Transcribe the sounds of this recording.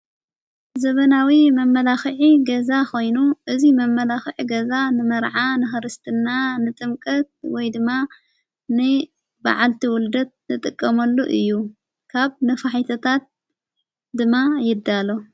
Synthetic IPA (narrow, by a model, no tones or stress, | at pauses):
zɐβɐnawimɐmːɐlaxʕiɡɐzako̞jnuʔɨzimɐmːɐlaxʕiɡɐzanɨmɐɾʕanɨxɨɾɨst̪ʰɨnːanɨt̪ʼɨmkʼɐt̪̚wɔjd̪ɨmːa | nɨ | ba̰ʕalt̪ʰiwʊld̪ɐt̪̚nɨt̪ʼɨkʼːɐmɐlːuʔɨjːu | kʰaβnɐfaħit̪ʰɐt̪ʰat̪̚ | d̪ɨmːajɪd̪alo